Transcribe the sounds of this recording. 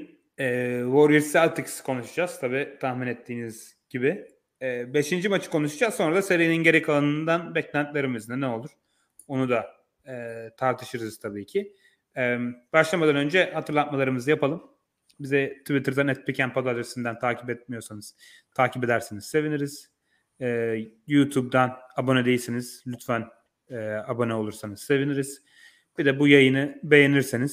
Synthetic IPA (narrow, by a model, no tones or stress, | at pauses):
ɛːvoɾiɾsælʲt̪ʰikskʰo̞nuʃad͡ʒaz̥t̪ʰabiːt̪ʰahminet̪ʰːiːniz̥ | ɟ̥ibɪ | ɛːbe̞ʃind͡ʒimat͡ʃʰɯ̥ko̞nuʃad͡ʒazso̞nɾad̪ase̞ɾijininɟeɾikʰalˠanɯnd̪anbɛclʲænt̪lʲe̞ɾimiznɛnɛo̞lˠuɾ̥ | o̞nud̪a | ɛːt̪ʰaɾt̪ʰɯʃɯɾɯz̥t̪ʰabiːcʰi | ɛmbaʃlˠamad̪anønd͡ʒɛhat̪ʰɯɾlˠat̪̚malˠaɾɯmɯzɯjapʰalˠɯm | bizɛt̪ʰuvit̪ʰɯɾd̪anɛt̪̚pʰʲicʰænpʰad̪alʲɾesind̪ænt̪ʰaːcʰi̥pɛt̪̚mijo̞ɾsanɯz̥ | t̪ʰaːcʰiped̪æɾseniz̥se̞viniɾiz̥ː | juːt̪ʰub̚d̪anabo̞nɛd̪e̞jilʲsiniz̥lʲyt̪væn | ɛabo̞nɛo̞lˠuɾsanɯz̥se̞viniɾiz̥ | b̥id̪ɛbujajɯnɯbe̞jeniɾseniz̥